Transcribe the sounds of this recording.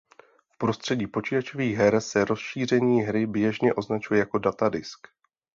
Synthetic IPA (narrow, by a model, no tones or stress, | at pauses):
fpɾo̞st̪r̝̥ɛɟiːpo̞t͡ʃiːt̪at͡ʃoviːɣɦɛɾsɛɾo̞sʃiːr̝ɛɲiːɦɾɪbjɛʒɲɛʔo̞znat͡ʃujɛjako̞dat̪adɪsk